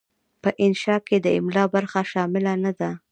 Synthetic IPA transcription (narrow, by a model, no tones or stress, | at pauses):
pəʔɪnʃɑked̪əɪmlɑbaɾxaʃɑmɪlanad̪a